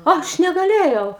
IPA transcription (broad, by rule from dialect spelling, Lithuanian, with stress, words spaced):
ˈɐʃ nʲɛɡɐˈlʲeːjɛʊ